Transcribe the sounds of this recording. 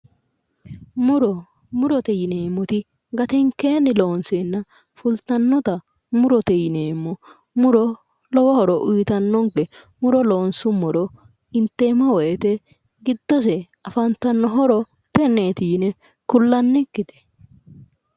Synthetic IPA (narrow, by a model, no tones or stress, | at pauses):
mʊɾɔ | mʊɾɔt̪ɛjɪneːmːɔt̪ɪ | ɡɐt̪ɛŋkeːnːɪlo̞ːnseːnːɐ | fʊlt̪ɐnːɔt̪ɐ | mʊɾɔt̪ɛjɪneːmːɔ | mʊɾɔ | lɔwɔhɔɾɔʔʊjt̪ɐnːɔŋkɛ | mʊɾɔloːnsʊmʊɾɔ | ɪnt̪ːe̞ːmɐwɔjɛt̪ɛ | ɡɪd̪ːɔs̬ɛ | ɐfɐnt̪ɐnːɔɦɔɾɔ | pɛneːt̪iːnɛ | kʊlːɐnːɪkːɪt̪ɛ̥